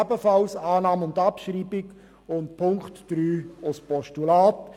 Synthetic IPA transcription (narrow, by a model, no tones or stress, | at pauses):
ɛbəfɑlsaːnɑːmʊndɑpʃɾiːbɪɡ | ʊntpʰʊŋkχtd̥ɾyːʊspɔʃtulaːt